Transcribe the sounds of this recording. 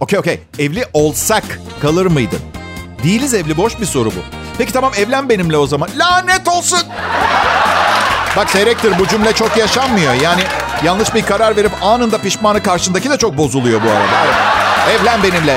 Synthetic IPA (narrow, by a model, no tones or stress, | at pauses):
o̞cʰʲejo̞cʰʲḛj | ɛvlʲiʔo̞lˠsak | kʰːalˠɯɾmɯjd̪ɯ̰md̪ijilʲizɛvlʲibo̞ʃbiso̞ɾubṵ | pʰecʰit̪ʰamamɛvlʲænbe̞nimlʲɛo̞zamanlʲaːnɛt̪o̞lˠsun | bakseɾɛc̚t̪iɾbud͡ʒymlʲɛt͡ʃʰo̞kjaʃamːɯjo̞jaːnɪjanlˠɯʃbiɾkaɾaɾve̞ɾipaːnɯnd̪apiʃmaːnɯkaɾʃɯnd̪acid̪ɛt͡ʃʰo̞k̚bo̞zulˠujo̞bua̰ɾa̰d̪a̰ɾaɛvlʲænbe̞nimlʲɛ